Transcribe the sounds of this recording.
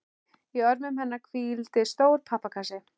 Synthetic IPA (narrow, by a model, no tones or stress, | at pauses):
iœɾmʏmɦɛnːakʰviːlt̪ɪst̪oːwɾpʰapːakʰasɪ